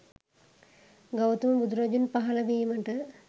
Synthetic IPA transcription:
ɡawt̪uməbud̪uɾɐd͡ʒunpaɦɐlɐbiːməʈə

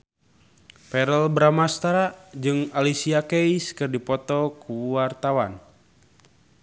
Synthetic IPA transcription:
pɛɾəlbɾamast̪aɾad͡ʒɨŋalisiakɛiskɨrdipɔt̪ɔkuwart̪awan

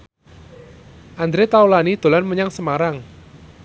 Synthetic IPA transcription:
ʔand̪ɾet̪awlanid̪̥o̤lanməɲaŋsəmaɾaŋ

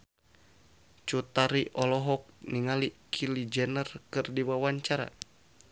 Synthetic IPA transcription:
t͡ʃut̪aɾiʔɔlɔɦɔk̚niŋalikʰilid͡ʒɛnərkɨrdiwawaɲt͡ʃaɾa̰

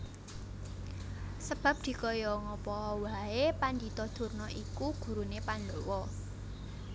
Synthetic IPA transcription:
səb̥a̤p̚d̪̥i̤kɔjɔŋɔpɔwaepand̪it̪ɔd̪̥ṳrnɔʔikuɡ̥ṳɾunepanlowɔ

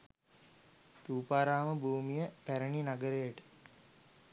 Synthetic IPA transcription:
t̪uːpaːɾaːməbʱuːmijəpæɾəɳinaɡəɾejəʈə̥

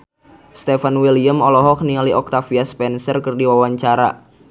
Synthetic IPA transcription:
st̪efanwiliəmɔlɔɦɔk̚niŋaliʔɔk̚t̪afiaspɛnsərkərdiwawaɲt͡ʃaɾa̰

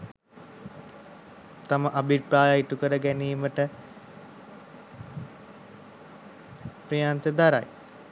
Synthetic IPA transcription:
t̪aməʔabipɾaːjaiʈukəɾəɡæniːməʈə | pɾijaːnt̪əd̪aɾa̰j

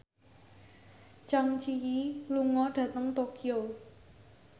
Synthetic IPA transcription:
t͡ʃaŋt͡ʃijiluŋɔɖ̥ä̤t̪əŋt̪okio

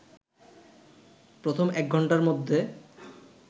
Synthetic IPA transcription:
pɾot̪ʰomɛk̚ɡʱɔɳʈaɾmod̪ʱːe

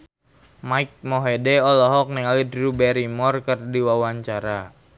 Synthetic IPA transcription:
maik̚mɔɦedɛɔlɔɦɔk̚niŋalidrubɛɾimɔrkərdiwawaɲt͡ʃaɾa

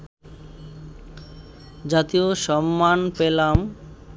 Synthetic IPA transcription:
d͡ʑat̪ioʃɔmːanpelam

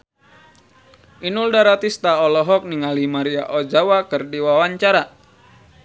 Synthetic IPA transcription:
ʔinuldaɾat̪ist̪aɔlɔɦɔk̚niŋalimaɾia̰ʔɔd͡ʒawakɨrdiwawaɲt͡ʃaɾa

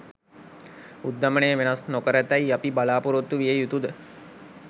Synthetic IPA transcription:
ud̪ːamənejəʋenasnokəɾət̪æjapibalaːpuɾot̪ːuʋijejut̪ud̪ə

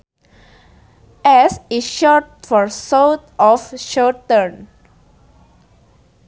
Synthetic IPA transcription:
ʔɛsiʃɔt̚fɔɹsawt̪ɔfʃɔtə̃n

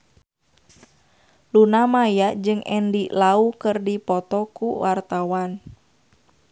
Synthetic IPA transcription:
lunamajaʔd͡ʒɨŋɛndiʔlaukɨrdipɔt̪ɔkuwart̪awan

